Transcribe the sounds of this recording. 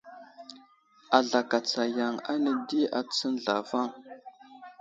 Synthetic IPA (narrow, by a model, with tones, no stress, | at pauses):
a˨ɮa˨ka˨t͡sa˨ja˨ŋa̰˦nə˦di˦a˨t͡sə˦n˦ɮa̰˨va˦˨ŋ